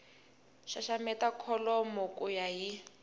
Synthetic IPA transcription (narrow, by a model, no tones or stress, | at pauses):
ʃaʃamɛtakʰɔlɔmɔkʼujaji